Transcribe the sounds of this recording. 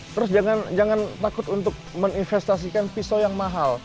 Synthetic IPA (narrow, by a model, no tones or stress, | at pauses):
t̪əɾʊs̬d͡ʒaŋand͡ʒaŋant̪akʊt̪unt̪ʊk̚məŋinfɛst̪as̬ikanfisojaŋmaɦal